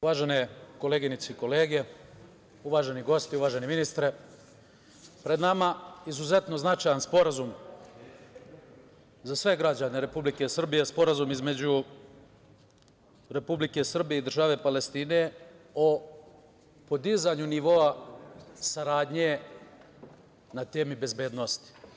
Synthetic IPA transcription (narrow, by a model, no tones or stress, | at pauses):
uʋaːʒe̞ne̞ko̞leɡinit̪seiko̞le̞ːɡe̞ | uʋaːʒe̞niɡo̞st̪iuʋaːʒe̞niminist̪ɾe | pɾe̞d̪namaizuze̞t̪no̞znat͡ʃajanspo̞ɾazum | zasʋe̞ɡɾad͡ʑaneɾe̞publike̞sr̩bije̞spo̞ɾazumizme̞d͡ʑu | ɾe̞publike̞sr̩bijeid̪r̩ʒaːʋe̞pale̞st̪iːne̞o | po̞d̪izaɲuniʋo̞a | saɾaːd̪ɲe̞ | nat̪e̞ːmibe̞zbeːd̪nost̪i̥